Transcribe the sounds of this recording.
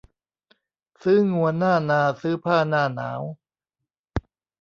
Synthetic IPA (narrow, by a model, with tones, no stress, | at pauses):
sɯː˦˥˩ŋu˧ɐnaː˥˩naː˧sɯː˦˥pʰaː˥˩naː˥˩na̰ː˩˦˥w